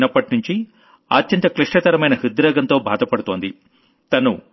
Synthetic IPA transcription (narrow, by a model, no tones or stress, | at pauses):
nɐpːɐʈinuɲt͡ʃi | a̰ːt͡ʃt͡ʃːɐnt̪ɐkliʂʈɐt̪ɐɾɐmɐjnɐɦid̪ɾɐːɡɐnt̪oːbʱaːd̪ɐpɐɽut̪oːnd̪i | t̪ɐnu